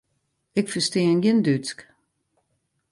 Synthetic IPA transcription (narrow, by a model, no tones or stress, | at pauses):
ɪkfəsteːnjɪndyt͡sk